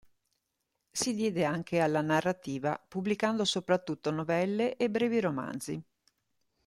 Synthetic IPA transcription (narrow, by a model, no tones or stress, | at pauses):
sid̪jɛːd̪eaŋkʰealːanarːat̪iːvapublikand̪osopɾat̪ːut̪ːonovɛlːeʔebːɾɛːviɾoma̰nd̪zi